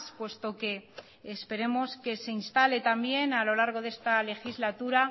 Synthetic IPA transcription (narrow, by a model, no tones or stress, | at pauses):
spwe̞st̪o̞ke̞ː | spe̞ɾe̞mo̞ske̞se̞inst̪ale̞t̪ambje̞nalo̞laɾɣ̞o̞ðest̪ale̞xizlat̪uɾa